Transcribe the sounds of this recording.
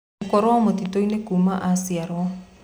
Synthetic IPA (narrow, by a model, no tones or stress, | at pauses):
kɔɾɔamotitoinekumaʔasiaɾwɔ